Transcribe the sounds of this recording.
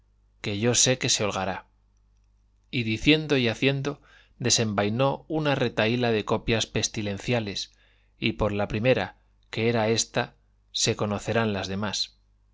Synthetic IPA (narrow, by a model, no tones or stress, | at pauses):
ke̞ʝo̞se̞ke̞se̞olɣaɾa | iðiθje̞nd̪o̞iaθje̞nd̪o̞ | d̪e̞se̞mbajno̞unare̞t̪ailaðe̞ko̞pjaspe̞st̪ilẽ̞nθjale̞s | ipo̞ɾlapɾime̞ɾa̰ | ke̞eɾae̞st̪a | se̞ko̞no̞θe̞ɾanlazðe̞mas